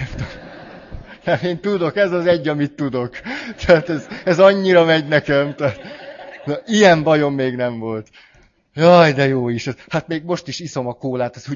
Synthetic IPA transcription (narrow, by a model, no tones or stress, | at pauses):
t̪ | ɛmeːnt̪ud̪o̞kɛzɒzɛɟːɒmit̪ːud̪o̞kt̪ʰɛːt̪ɛzɛzɒɲːiɾɒmɛɟnɛkɛmt̪ɛːt̪nɒʔijɛmbɒjo̞mːeːɡnɛɱvo̞lt̪ | jɒjd̪ɛjoːiʃɛzhat̪meːɡmo̞ʃt̪iʃiso̞mɒkoːlaːt̪ɛzu